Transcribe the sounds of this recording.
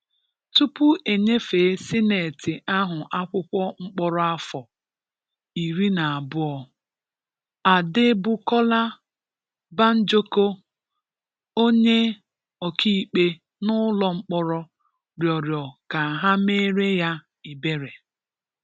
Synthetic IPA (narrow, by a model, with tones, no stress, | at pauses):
tu˦pʊ˦ʔe˨ɲe˦fe˨˦sɪ˦ne˨tɪ˨ʔa˦ɦʊ˨ʔa˦kʷʊ˦kʷɔ˦ŋ͡m̩˦k͡pɔ˦ɾɔ˦a˦fɔ˨ | i˨ɾi˦na˨a˨bʊ˦ɔ˨ | a˨dɪ˦bʊ˦kɔ˦la˦ | ba˦n̩˦d͡ʒo˦ko˦ | o˦ɲe˦ | ɔ˨ki˦i˨k͡pe˦ | nʊ˦lɔ˦ŋ͡m̩˦k͡pɔ˦ɾɔ˦ | ɾjɔ˨ɾjɔ˨ka˨ɦa˦me˦ɾe˦ja˦ | i˨be˦ɾe˨